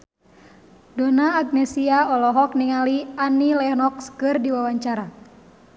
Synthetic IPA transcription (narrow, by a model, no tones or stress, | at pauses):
dɔnaːɡ̚nɛsiaɔlɔɦɔk̚niŋalianilɛhnɔkskɨrdiwawaɲt͡ʃaɾa